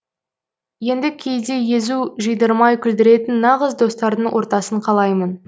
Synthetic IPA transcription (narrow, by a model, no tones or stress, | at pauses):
je̞nd̪ɪkʲʰe̞jd̪e̞jezuʒijd̪əɾmɑjkʲʰʏld̪ɪɾe̞t̪ɪnːɑʁəzd̪o̞st̪ɑɾd̪əɴwʔo̞ɾt̪ɑsəɴqʰɑlˠɑjmən